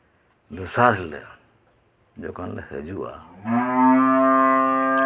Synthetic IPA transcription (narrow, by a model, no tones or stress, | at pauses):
d̪usaɾɦɛlɛ̰ | d͡ʒɔkanlɛhɛ̰d͡ʒuʔa̰